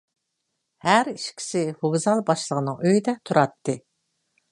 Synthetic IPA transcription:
hæɾiʃkʲʰi̥sɪhoɡzɑlˠbɑʃlˠəʁənɨŋøjd̪ɛt̪ʰuɾɑt̪ːɨ

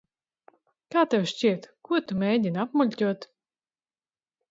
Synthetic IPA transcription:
kaːt̪ɛwʃt͡ɕʲiɛt̪kuɔt̪umʲɛjdʲinapmulʲtʲuɔt̪

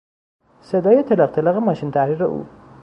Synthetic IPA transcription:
sed̪ɒːjet̪ʰeleq̚t̪ʰelɒɣemɒːʃint̪ʰæhɾiːɾḛʔṵː

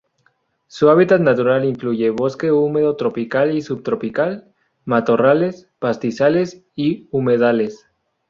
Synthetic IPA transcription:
suaβit̪at̪nat̪uɾaliŋkluʝe̞βoske̞ume̞ðot̪ɾo̞pikalisubt̪ɾo̞pikal | mat̪o̞rale̞spast̪isale̞siume̞ðale̞s

